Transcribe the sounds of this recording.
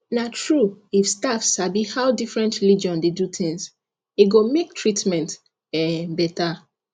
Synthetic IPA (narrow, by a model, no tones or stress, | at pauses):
natʰɹuifstafsabihawdifɹɛ̃ntɹilid͡ʒɔ̃ndedut̪ʰĩŋs | eɡomek̚tʰɹitmɛ̃nt | ɛbɛta